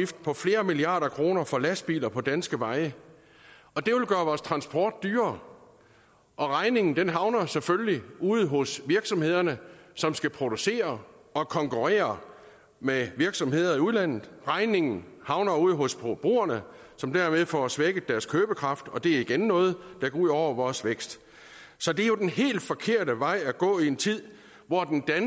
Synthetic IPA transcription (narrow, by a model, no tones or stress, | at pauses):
ifd̥̚pʰɒ̽fle̝ːɐmiliɑ̰̈ːɾɐkʰʁo̝ːnɐfɒ̽læsb̥ḭːlɐpʰɒ̽d̥ænsɡ̥əʋɑ̈ɪə | ɒ̽d̥e̝ʋe̝lɡ̥ɶːɐʋɒːst͡sʰʁɑ̈nsb̥ɒ̰ːd̥̚d̥yːɐ | ʔɒ̽ʁɑ̈ɪne̝ŋn̩d̥enɦɑ̈ʊnɐsefølliuð̩̰ˠɦɔ̽sʋiɐɡ̥sɒ̽mhe̝ð̞ˠɐnəsɒ̽msɡ̥æpʰʁo̝d̥use̝̰ːɐ | ɒ̽kʰɒ̽ŋkʰuʁḛːɐ | meʋiɐɡ̥sɒ̽mhe̝ð̰ˠɐiuðˠlæn̰ð̩ˠʁɑ̈ɪne̝ŋn̩ | hɑ̈ʊnɐuð̞̰ˠɦɔ̽sb̥b̥ʁo̝̰ːɐnə | sɒ̽md̥æɐmeðˠfɒsʋeɡ̥əd̥æɐskʰøːb̥əkʰʁɑ̈fd̥ɒ̽d̥e̝æɐiɡ̥enːɔ̽ːð̞̩ˠd̥ɑɡ̥ɒuð̞̰ˠɒʊ̰ɐʋɒːsʋeɡ̥sd̥ | sɒ̽d̥e̝æɐjo̝d̥enɦe̝̰ːld̥fɒ̽kʰe̝ɐ̰dəʋɑ̈ɪ̰æɡ̥ɔ̰̽ːie̝nt͡sʰið̞̰ˠ | ʋɒd̥end̥æn